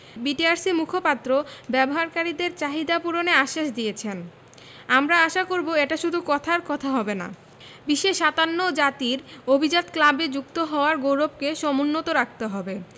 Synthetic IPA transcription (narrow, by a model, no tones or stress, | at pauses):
biʈiaɾsimukʰopat̪ːɾobɛboɦaɾkaɾid̪eɾt͡ɕaɦid̪apuɾoneaʃːaʃd̪ijet͡ɕʰen | amɾaaʃakoɾboeʈaʃud̪ʱukɔt̪ʰaɾkɔt̪ʰaɦɔbena̰ | biʃːeʃat̪anːod͡ʑat̪iɾobʱid͡ʑat̪klabed͡ʑuk̚t̪oɦɔoaɾɡowɾob̚keʃɔmonːot̪oɾak̚t̪eɦɔbe